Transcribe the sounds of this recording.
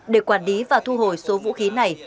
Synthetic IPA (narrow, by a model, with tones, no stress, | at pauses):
ɗe˧˩kwaː˧˩nli˨˦vaː˨˩t̪ʰu˧ɦo˧˩jso˨˦vṵ˧˥xi˨˦na˨˩j